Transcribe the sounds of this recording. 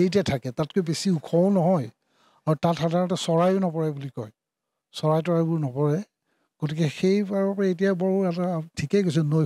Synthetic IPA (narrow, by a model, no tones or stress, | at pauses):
ejtiatʰakɛtat̚kojbesiukʰɔnɔɦɔj | aɹutatxadanɔtɛsɔɹajʊnɔpɔɹɛbulikɔj | sɔɹajtɔɹajbʊɹnɔpɔɹɛ | ɡ̥ot̬ikɛxejbaɹbapɹaet̬ijabɔɹɛtatʰikɛjɡojs̬ɛnoj